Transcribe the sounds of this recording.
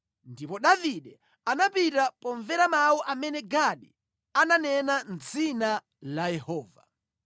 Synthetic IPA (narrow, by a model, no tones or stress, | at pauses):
ndipɔɗaviɗɛ | anapitapɔɱvɛɾamawɔʔamɛnɛɡaɗi | ananɛnand͡zina | lajɛhɔːva̰